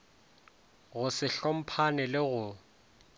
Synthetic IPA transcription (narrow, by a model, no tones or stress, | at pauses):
ɣʊsɪɬɔm̩pʰanɪlɪɣʊ